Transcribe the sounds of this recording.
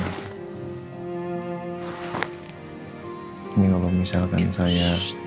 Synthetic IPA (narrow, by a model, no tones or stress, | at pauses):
nikalamisalka̰nsaja